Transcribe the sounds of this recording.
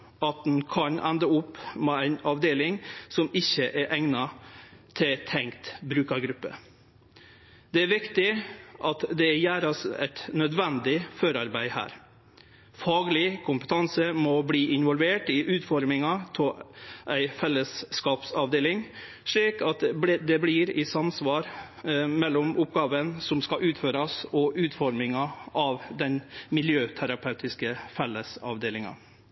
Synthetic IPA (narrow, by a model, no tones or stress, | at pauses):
ɑt̪̚d̪nkʰɑnʔæ̰nd̪əʊpːmɛæɪnɑʋd̪eːlɪŋsɔmɪçːəʔæɾʔæŋnɑt̪ʰɪlt̪ʰɛŋkt̪bɾʉːkɑɾɡɾʉpːə̰ | d̪ɛæɾʋɪkt̪ɪʔɑt̪d̪ɛæjæːɾɑsɛ̰t̪nœd̪ʋɛnd̪ɪføːɾɑɾbæɪhæ̰ːɾ | fɑːɡlɪkʰʊmpət̪ʰɑnsəmɔbliːʔɪnʋɔlʋeːʈɪʔʉːt̪fɔɾmɪŋɑt̪ʰɪʔæɪfɛlːəsːkɑːpsɑʋd̪eːlɪŋ | ʂɭiːkɑt̪bd̪ɛbliɾɪsɑmsʋɑːɾ | mɛlːɔmʊpɡɑːʋənsɔmskɑʔʉːt̪føːɾɑsɔʔʉːt̪fɔɾmɪŋɑʔɑʋd̪ɛnmɪljøːt̪ʰæɾɑpʰɑʉt̪ʰɪskəfɛlːəsɑ̰ʋd̪eːlɪŋɑ̰